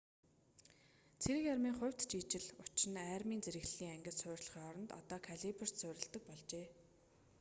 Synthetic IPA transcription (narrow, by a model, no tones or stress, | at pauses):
t͡sʰeɾɘ̆kjarmiːŋχʊ̟w̥ʲt̪t͡ɕiːt͡ɕɪ̆ɮʊt͡ɕɪ̆næːrmiːnt͡seɾɘ̆ɣɮiːŋæŋɡʲɪ̆sʊːrʲɮə̥̆χiːŋɔɾɞ̆nt̪ɔ̰t̪ɔːkʰaɮipɘ̆r̥tsʊːɾʲɪ̆ɮt̪ə̆k̚pɔɮt͡ɕeː